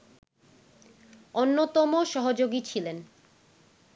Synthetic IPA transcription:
onːot̪ɔmoʃɔɦod͡ʑoɡit͡ɕʰilen

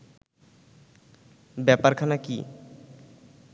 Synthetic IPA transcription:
bɛpaɾkʰanakḭ

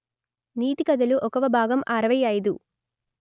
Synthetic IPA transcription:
niːt̪ikɐd̪ɐluʔɔkɐʋɐbʱaːɡɐmʔaːɾɐʋɐjaːjid̪u

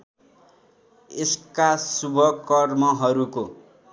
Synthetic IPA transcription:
eskasubʱʌkʌrmʌɦʌɾuko

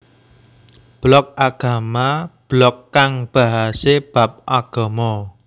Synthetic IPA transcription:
b̥lɔk̚aɡ̥a̤mab̥lɔkːaŋb̥a̤ɦaseb̥a̤p̚ʔaɡ̥ɔ̤mɔ

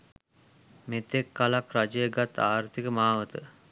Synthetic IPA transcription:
met̪ekːalakrad͡ʒəeɡat̪ːaːrt̪ikəmaːʋət̪ə

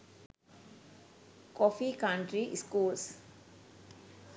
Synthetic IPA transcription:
kɔfikaɳʈɾiʔskuːls

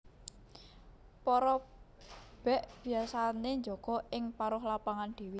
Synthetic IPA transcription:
pɔɾɔ | b̥ɛʔb̥i̤asaneɲd͡ʒoɡ̥ɔ̤ʔɪŋpaɾʊhlapaŋand̪̥i̤wi

